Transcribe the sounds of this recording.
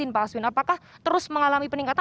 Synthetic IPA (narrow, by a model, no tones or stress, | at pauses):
ɪnpaswɪnapakaht̪əɾʊsməŋalamipəniŋkat̪a